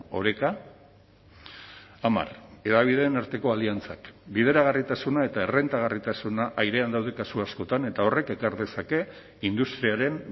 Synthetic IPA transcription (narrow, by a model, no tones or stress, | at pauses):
o̞̰ɾe̞ka | ma̰re̞ðaβ̞iðe̞ːnaɾt̪e̞ko̞aliant͡sa̰kbið̞e̞ɾaɣarit̪asunae̞t̪ae̞re̞nt̪aɣ̞arit̪asunaʔajɾe̞and̪awð̞e̞kasuasko̞t̪ane̞t̪ao̞re̞ke̞kaɾðe̞sake̞ | ind̪ust̪ɾiaɾe̞n